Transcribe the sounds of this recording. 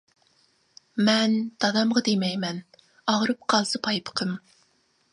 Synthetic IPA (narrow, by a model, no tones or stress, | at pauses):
mɛnd̪̥ɑd̪ɑmʁɑd̪emɛjmɛn | ɑʁɾɨp̚qʰɑlˠsɨpʰɑjpʰə̥qʰəm